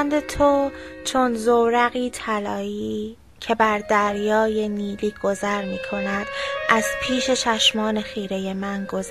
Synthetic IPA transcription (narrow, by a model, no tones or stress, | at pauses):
nd̪e̞t̪ʰot͡ʃʰo̞nzowɾæɣiːt̪ʰælɒːiː | cʰe̞bæɾd̪æɾjɒːje̞niːliːɡ̥o̞zæɾmiːkʰo̞næd̪̥ʔæzpʰiːʃe̞t͡ʃʰæʃmɒːne̞xiːɾe̞je̞mænɡoz